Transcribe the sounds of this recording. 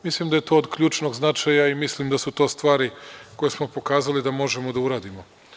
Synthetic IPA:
mislimd̪aje̞t̪o̞ːd̪kʎuːt͡ʃno̞ɡznat͡ʃajaimislimd̪asut̪o̞ːst̪ʋaːɾiko̞jesmo̞po̞kaːzalid̪amo̞ʒe̞mo̞d̪auɾaːd̪imo̞

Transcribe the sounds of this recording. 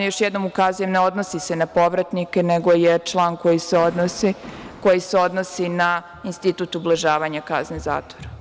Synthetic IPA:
joʃjɛd̪no̞mukazuje̞mne̞o̞d̪no̞sise̞napo̞ʋɾat̪nikeneɡo̞jet͡ʃlˠaːnko̞jiseo̞d̪nosiko̞jiseo̞d̪nosina | inst̪it̪ut̪ublˠaʒaːʋaɲaka̰zneza̰ːt̪ʋoɾa

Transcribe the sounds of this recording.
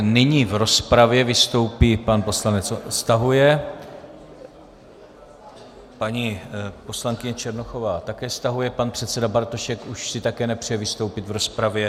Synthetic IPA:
nɪɲiːvɾo̞spɾavjɛvɪst̪o̞wpiːpanpo̞slanɛt͡sst̪aɦujɛ | paɲiːpo̞slaŋkɪɲɛt͡ʃɛɾnoxo̞vaːt̪akɛːst̪aɦujɛpanpr̝̥ɛt̪sɛdabaɾt̪oʃɛkuʃsɪt̪akɛːnɛpr̝̥ɛjɛvɪst̪owpɪt̪vɾo̞spɾavjɛ

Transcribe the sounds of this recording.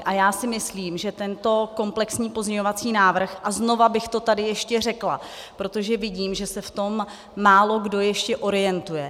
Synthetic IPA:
ʔajaːsɪmɪsliːmʒɛt̪ɛnt̪o̞ko̞mplɛksɲiːpo̞zɲɛɲo̞vat͡siːnaːvr̩xʔazno̞vabɪxt̪o̞t̪adɪjɛʃcɛr̝ɛkla̰ | pɾo̞t̪o̞ʒɛvɪɟiːmʒɛsɛft̪o̞mː | aːlo̞ɡdo̞jɛʃcɛʔo̞ɾɪjɛnt̪ujɛ

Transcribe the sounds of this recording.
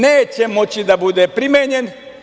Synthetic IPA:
neːt͡ɕemo̞t͡ɕid̪abud̪epɾimeːɲen

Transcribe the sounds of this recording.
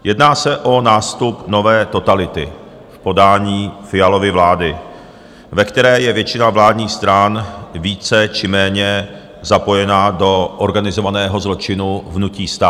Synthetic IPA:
jɛdnaːsɛʔo̞naːst̪upno̞vɛːt̪o̞t̪alɪt̪ɪ̰ | fpo̞daːɲiːfɪjalo̞vɪvlaːdɪ | vɛkt̪ɛɾɛːjɛvjɛt͡ʃɪnavlaːdɲiːxst̪ɾanviːt͡sɛt͡ʃɪmɛːɲɛ | zapo̞jɛnado̞ʔoɾɡanɪzo̞vanɛːɦo̞zlo̞t͡ʃɪnuvnuciːst̪aː

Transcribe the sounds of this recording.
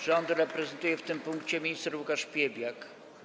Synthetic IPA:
ʐɔnd̪ɾɛpɾɛzɛnt̪ujɛft̪ɘmpuŋkt͡ɕɛmʲɲist̪ɛɾwukaʂpʲjebʲjak

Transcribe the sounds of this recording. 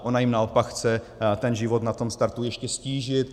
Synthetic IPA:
ʔonajɪmnaopakxt͡sɛ | t̪ɛnʒɪvo̞t̪nat̪o̞mst̪aɾt̪ujɛʃcɛsciːʒɪt̪

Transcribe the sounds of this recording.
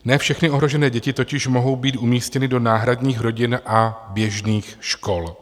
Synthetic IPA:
nɛːfʃɛxnɪo̞ɦɾo̞ʒɛnɛːɟɛcɪt̪o̞cɪʃmo̞ɦo̞wbiːt̪ʔumiːscɛnɪdo̞naːɦɾadɲiːxɾo̞ɟɪnʔabjɛʒniːxʃko̞l

